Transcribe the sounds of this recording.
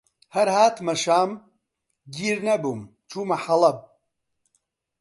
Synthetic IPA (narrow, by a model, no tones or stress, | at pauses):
hɐɾhaːt̪mɐʃaːm | ɡiːɾnɐbum | t͡ʃʰuːmɐħɐlˠɐb̚